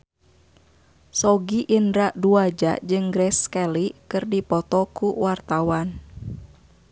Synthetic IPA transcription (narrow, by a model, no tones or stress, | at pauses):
sɔɡiʔindɾaʔduad͡ʒa̰ʔd͡ʒɨŋɡɾɛskɛlikɨrdipɔt̪ɔkuwart̪awan